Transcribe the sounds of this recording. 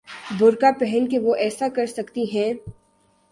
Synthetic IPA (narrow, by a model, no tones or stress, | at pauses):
bʱʊɾkapɛɦənkeʋoʔɛːsakɐɾsɐkt̪iɦɛ̃ː